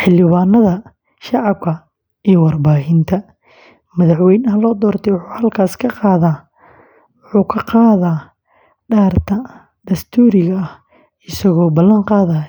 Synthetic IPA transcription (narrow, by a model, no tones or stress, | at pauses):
ħɪlɪβaːnɐðɐ | ʃɑʕɑb̚kʰɐ | ijɔwɑrbaːhɪnt̪ʰɐ | mɐðaħwɛjnɐɦɐlɔːd̪ɔːrt̪ʰɛjwʊħuːhɐlkʰaːskʰɐqɑːðaː | wʊħuːkʰɐqɑːðaː | ɖaːrt̪ʰɐ | ɖ̪ɐst̪ʰuːɾɪɣɐɐh | ɪsɐɣɔːbɐlːɐŋqɑːðɐː